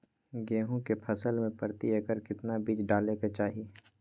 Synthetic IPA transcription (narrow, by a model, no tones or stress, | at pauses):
ɡeːɦõkepʰəsəlmẽpəɾt̪iəkəɾkɪt̪nabiːt͡ʃɖaːleket͡ʃaːɦi